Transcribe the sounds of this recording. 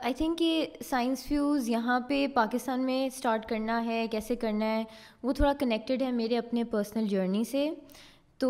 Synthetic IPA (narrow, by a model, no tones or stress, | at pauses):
aːɪt̪ʰɪ̃ŋkːesaːɪ̃nsfjuːzjɐɦãpepaːkɪst̪aːnmẽsʈaːɾʈkɐɾnaɦɛkɛːsekɐɾnaɦɛ | ʋot̪ʰoːɽakɐnɛk̚ʈɪɖɦɛmeːɾeɐpnepəːɾsnəld͡ʒəːɾnise | t̪oː